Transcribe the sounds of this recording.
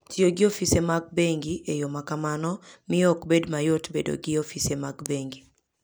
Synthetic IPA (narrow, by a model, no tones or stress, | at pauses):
tɪoɡɪofisemaɡ̚beŋɡiʔejomakamanɔmɪɔkbedmajotbḛdo̰ɡɪofisemaɡbeŋɡi